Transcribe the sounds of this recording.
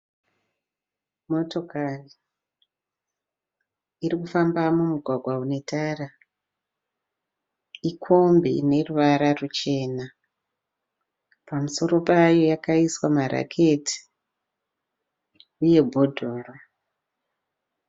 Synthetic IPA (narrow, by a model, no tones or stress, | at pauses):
mo̞to̞kari | irikufambamumuɡʱwaɡʱwaune̞taːra | ikʰo̞mbḭne̞ruʋaɾarut͡ʃe̞ːna | pamuso̞ɾo̞pajo̞jakaiswamaɾa̰kʰe̞ti̥ | uje̞bʱo̞dʱoːro